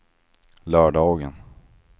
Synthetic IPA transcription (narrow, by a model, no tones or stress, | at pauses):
lœːɖɑːɡən